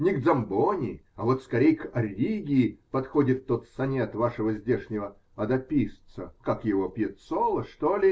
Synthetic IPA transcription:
nʲɪɡd̪zɐmbonʲɪɐvo̞t̪skɐɾʲejkɐɾʲiɡʲɪːpɐt̪xo̞dʲɪt̪ːo̞t̪sɐnʲet̪vaʂəvəzʲdʲeʂnʲɪvə | ɐd̪ɐpʲist̪səkakjɪvopʲjɪt̪solˠəʂt̪olʲɪ

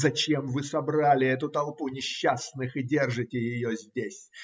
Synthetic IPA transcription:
zɐt͡ɕemvɨsɐbɾalʲɪɛt̪ʊt̪ɐlˠpunʲɪɕːasnɨxɨdʲe̞rʐɨtʲɪjɪjozʲdʲesʲ

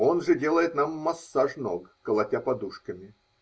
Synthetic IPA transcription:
o̞nʐɨdʲe̞lˠəjɪt̪namːɐsːaʂnoɡkəlˠɐtʲapɐd̪uʂkəmʲɪ

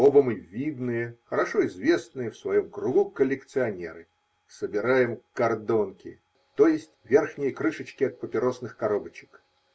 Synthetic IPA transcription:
obəmɨvʲid̪nɨjəxəɾɐʂoɪzvʲe̞snɨjəfsvɐjomkɾʊɡukəlʲːɪkt̪sɨɐnʲe̞̰ɾɨ | səbʲɪɾajɪmkɐrd̪o̞nkʲɪ̰ | t̪o̞jɪsʲtʲvʲe̞rxnʲɪjəkɾɨʂət͡ɕkʲɪɐt̪̚pəpʲɪɾo̞snɨxkɐɾo̞bət͡ɕɪ̥k

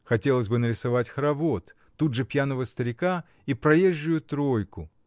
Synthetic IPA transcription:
xɐtʲe̞lˠəsʲbɨnəɾʲɪsɐvatʲxɾɐvot̪ːud̪ʐɨpʲjanəvəst̪əɾʲɪka | ipɾɐjeʒːʊjʊt̪ɾo̞jkʊ

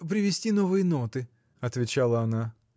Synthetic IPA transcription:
p̬ɾʲɪvʲɪsʲtʲino̞vɨjəno̞t̪ɨ | ɐt̪vʲɪt͡ɕalˠəɐna

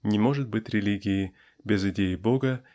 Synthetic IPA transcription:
nʲɪmo̞ʐɨt̪̚bɨtʲɾʲɪlʲiɡʲɪɪ | bʲɪzɨdʲejɪbo̞ɡə

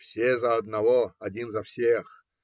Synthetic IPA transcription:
fsʲezaːd̪navoadʲinzafsʲex

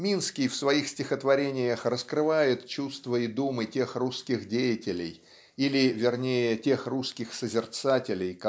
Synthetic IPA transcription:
mʲinskʲɪjfsvɐixsʲtʲɪxət̪vɐɾʲenʲɪjəxrəskɾɨvajɪt̪t͡ɕust̪vəɪd̪umɨtʲe̞xruskʲɪxdʲejɪtʲɪlʲɪ̰j | ilʲɪvʲɪrnʲejətʲe̞xruskʲɪxsəzʲɪrt̪satʲɪlʲɪjk

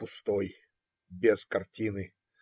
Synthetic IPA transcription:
pʊst̪oj | bʲeskɐrtʲinɨ

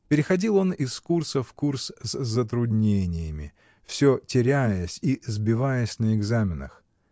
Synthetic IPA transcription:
pʲɪɾʲɪxɐdʲilˠo̞nɪskursəfkursszːət̪ɾʊdʲnʲenʲɪjəmʲɪ̰ | fsʲotʲɪɾʲæjəsʲizbʲɪvajəsʲnəɪɡzamʲɪnə̰x

